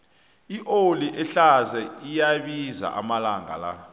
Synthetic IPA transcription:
iʔoliʔɛɬazɛijaɓiza̰ʔa̰malaŋa̰la̰

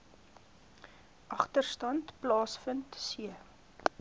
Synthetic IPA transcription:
ʔɐχtərstɐntplɑːsfəntsiə

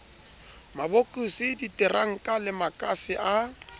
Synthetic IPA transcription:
mabokʼusɪditʼɛraŋ̩kʼalɪmakʼasɪʔa

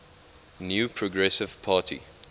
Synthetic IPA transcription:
njuːpʰɹɔɡɹɛsɪv̥pʰaːtʰḭ

